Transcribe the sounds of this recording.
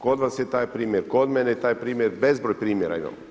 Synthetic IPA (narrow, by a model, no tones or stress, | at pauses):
kod̪ʋasjet̪aːjpɾiːmjeɾkod̪mɛnejt̪aːjpɾiːmʲjeɾbezbɾojpɾiːmjeɾa̰ima̰m